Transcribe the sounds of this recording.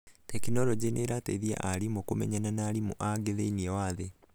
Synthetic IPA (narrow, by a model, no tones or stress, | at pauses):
tɛkinɔɾɔd͡ʑenʔeɾateiðia̰ʔaɾimokomɛ̰ɲananaːɾimoʔaɡeðeiniɛwaːðe